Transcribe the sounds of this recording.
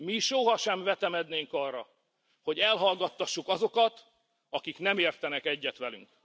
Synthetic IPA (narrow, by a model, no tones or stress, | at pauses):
miʃoɦɒʃɛɱvɛt̪ɛmɛd̪neːŋkɒrːɒ | ho̞ɟɛlɦɒlɡɒt̪ːɒʃːukɒzo̞kɒt̪ | ɒkiknɛmeːrt̪ɛnɛkɛɟːɛt̪ʋɛly̰ŋk